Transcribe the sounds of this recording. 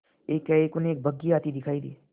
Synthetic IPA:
eːkɛeːkʊneeːk̚bʱɐɡːiaːt̪id̪ɪkʰaːid̪ḭː

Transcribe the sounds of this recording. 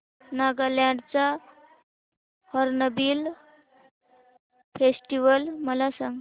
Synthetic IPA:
naɡaljãɳɖt͡sa | hɔɾnəbiːl | fesʈiʋəlməlasãŋɡ

